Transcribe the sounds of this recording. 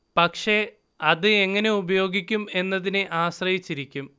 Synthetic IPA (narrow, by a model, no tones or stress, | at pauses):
pɐkʂe̞ | ɐðɨeŋːɐne̞ubɐjo̞ːɡikʲːume̞nːɐðineʔaːɕrɐjit͡ɕːiɾikʲːum